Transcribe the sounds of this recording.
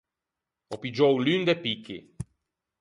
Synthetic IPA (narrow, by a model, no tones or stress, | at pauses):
ɔpid͡ʒɔwlynd̪epikḭ